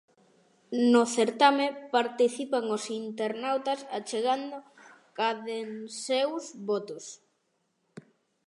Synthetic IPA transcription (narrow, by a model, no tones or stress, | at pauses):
noθeɾt̪amepaɾt̪iθipaŋosint̪eɾnawt̪asat͡ʃeɣand̪o | kaðensewzβot̪ʊs